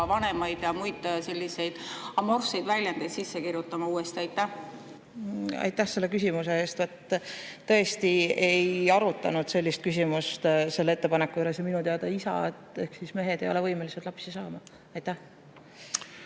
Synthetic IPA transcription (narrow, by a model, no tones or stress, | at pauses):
vɑne̞mɑjd̪̥jɑmujd̪̥se̞lʲːise̞jd̪̥ɑmorfse̞jd̪vælʲjɑnd̪ɑjd̪sisːekiɾjut̪ːˑɑmɑuːest̪iɑjt̪ːˑæh | ɑ̰jt̪ːˑæhse̞lːe̞kysimuse̞eːst̪vɑt̪ː | ɤ̞est̪ie̞jɑɾut̪ːˑɑ̰nud̪̥se̞lʲːist̪̚kys̬ʲimust̪se̞lːeet̪ːe̞pɑnekːˑuyleseminut̪eɑd̪̥ɑisɑ̰et̪ˑe̞hksisme̞ɦe̞d̪ejo̞le̞vɤjme̞liset̪lɑpsisɑːmɑ | ɑjt̪ːæh